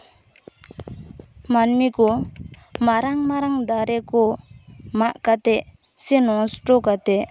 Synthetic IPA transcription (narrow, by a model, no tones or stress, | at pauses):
manmikɔ | maɾaŋmaɾaŋd̪aɾɛkɔ | maʔkat̪ɛʔ | sɛnɔsʈɔkat̪ɛʔ